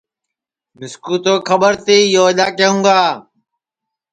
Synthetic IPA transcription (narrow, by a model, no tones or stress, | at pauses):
mɪskuːt̪oːkʰəɓəɾt̪iːjoːɪlaːkeːɦũːɡaː